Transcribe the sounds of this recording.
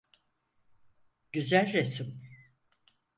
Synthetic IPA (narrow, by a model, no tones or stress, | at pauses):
ɟ̥yzælʲɾesim